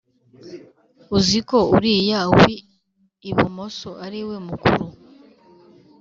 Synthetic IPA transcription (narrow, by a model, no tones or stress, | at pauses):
uziko̞uɾijawiː | βumosoaɾiwemukṵɾu